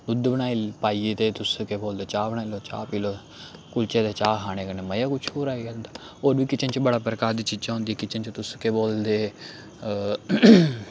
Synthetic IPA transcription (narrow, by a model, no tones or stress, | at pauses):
ʊd̪bənaːilpaːieːt̪eːt̪ʊskeːboːld̪eːt͡ʃaːbəɽaːiloːt͡ʃa̰ːpiːloː | kʊlt͡ʃeːd̪eːt͡ʃaːkʰaːɽ̃eːkəneːməjaːkʊt͡ʃʰoːɾaːiɡnd̪aː | oːɾʋiːkɪt͡ʃənt͡ʃbəɽaːpɾəkaːɾd̪iːt͡ʃiːd͡ʒãːɦʊ̃nd̪ikɪt͡ʃənt͡ʃt̪ʊskeːboːld̪eː